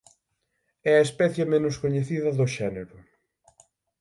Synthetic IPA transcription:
ɛɐespɛθjɐmenʊskoɲeθiðɐðʊʃɛneɾʊ

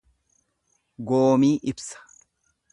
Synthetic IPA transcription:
ɡoːmiːʔɪbsɐ̥

